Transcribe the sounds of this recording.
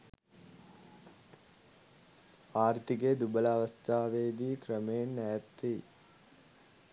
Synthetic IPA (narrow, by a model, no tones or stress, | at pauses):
aːrt̪iked̪ubəlaaːʋɐst̪ʰaːʋeːd̪iːkɾəmejenːɛjɐt̪ːi